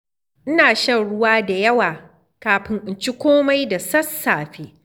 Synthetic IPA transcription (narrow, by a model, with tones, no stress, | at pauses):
ʔɪ˦naː˨ʃɐ˦ŋɽʊ˦waː˦da˨jɐ˦waː˨ | kaː˨ɸɪ˦ŋʔɪ˨nt͡ʃi˦kʷoː˦ma˦jda˨sɐ˦sːaː˨ɸeː˦